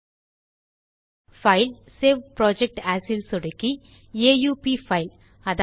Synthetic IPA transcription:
fɐɪl | seːʋpɾoːd͡ʒɛk̚ʈaːsilsɔɽɯkːi | eːjuːpifɐɪl | ɐð

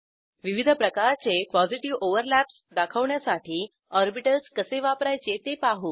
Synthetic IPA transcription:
ʋiʋid̪ʱəpɾəkaɾt͡sepɔd͡ziʈiʋoʋəɾlæpsd̪akʰəʋɳjasaʈiː | ɔɾbiʈəlskəseʋapɾajt͡set̪epaɦuː

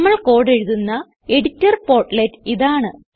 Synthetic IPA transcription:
mːɐɭko̞ːɽe̞ɻuðunːɐ | e̞ɽitːɐrpo̞ːrʈletːiðaːɳɨ

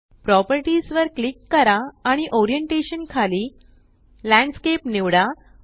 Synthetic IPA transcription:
pɾɔpəɾʈisʋəɾklikːəɾaːɽ̃iʔɔɾijəɳʈeɕənkʰaliː | læ̃ɳɖskepneʋɽa

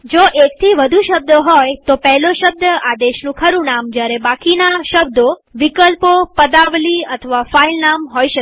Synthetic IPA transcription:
d͡ʒoʔekt̪ʰiʋəd̪ʱuʃəb̚d̪ɦojt̪opɛɦloʃəb̚d̪əʔad̪eʃnũkʰəɾũnamd͡ʒjaɾebakinaʃəb̚d̪oʋikəlpopəd̪aʋliət̪ʰəʋafailnamɦojʃə

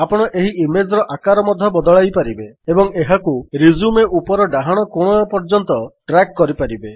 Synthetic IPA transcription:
apɔɽ̃ɔʔeɦiimed͡ʒɾɔʔakaɾɔmɔd̪ʱjɔbɔd̪ɔɭajpaɾibeebɔŋeɦakuɾizumeʔupɔɾɔɖaɦaɽ̃ɔkoɽ̃ɔapɔɾd͡ʒɔnt̪ɔʈɾakːɔɾipaɾibe

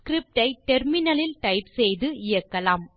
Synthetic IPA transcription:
kɾɪp̚ʈɐɪʈɛɾmɪnɐlɪlʈɐɪpsɛjðɯɪjɐkːɐlaːm

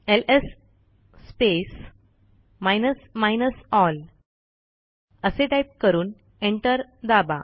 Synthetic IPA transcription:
elesː | pes | majnəsmajnəsɔl | əseʈaip̚kəɾuːn | eɳʈəɾd̪aba̰

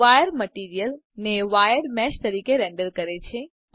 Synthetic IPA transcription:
ajəɾməʈiɾijəl | neʋajəɾmɛʃt̪əɾiːkeɾɛ̃ɳɖəɾkəɾet͡ʃʰe

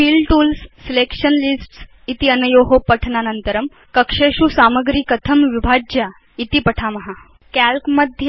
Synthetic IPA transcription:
fiːlʈuːlsːilekʂənlisʈs | it̪iənəjoɦopəʈʰnanənt̪əɾəm | kəkʂeʂusaməɡɾiːkət̪ʰəmʋibʱaja | it̪ipəʈʰamɐɦa | kælkməd̪ʱj

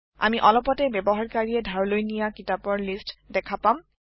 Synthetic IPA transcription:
a̰miʔɔlɔpɔtɛbɛbɔɦaɹkaɹiɛdʱaɹlojnijakitapɔɹlistdɛkʰapam

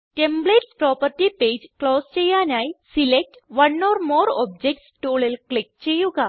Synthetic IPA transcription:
ʈẽmbleʈspɾɔpəɾʈiped͡ʑklɔst͡ɕejanajsilek̚ʈʋənɔɾmɔɾɔ̰b̚d͡ʑek̚ʈsʈoɭelklek̚t͡ɕejuɡa

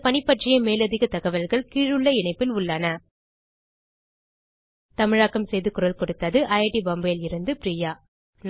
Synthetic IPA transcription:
pɐnɪpːɐʈrɐjɐmeːlɐðɪɣɐt̪ɐɣɐʋɐlɣɐɭkiːɻɯɭːɐɪnɐɪpːɪlʊɭːaːnɐ | t̪ɐmɪɻaːkːɐmsɛjðɯkʊɾɐlkɔɽɯt̪ːɐðɯʔɐjʈibɐmbɐːlɪɾɯnd̪ɯpɾiːjaː | n

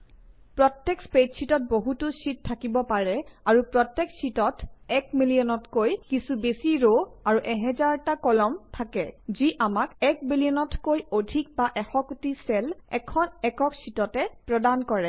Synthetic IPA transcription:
pɹɔtːɛkspetsitɔt̚boɦutusit̚tʰːakibɔpaɹɛaɹupɹɔtːɛksitɔtɛkmilijɔnɔtkojkisubesiɹoaɹuʔɛɦɛzaɹtakɔlɔmtʰakɛziʔamakɛk̚bilijɔnɔtkojodʱik̚baʔɛxɔkutisɛlɛkʰɔnɛkɔksitɔtɛpɹɔdankɔɹɛ

